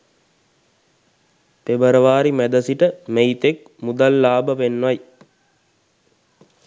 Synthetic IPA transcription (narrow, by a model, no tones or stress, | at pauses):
t̪ebəɾəʋaːɾimæd̪əsiʈəmejt̪ek̚ | mud̪alːaːbəpenːʋaj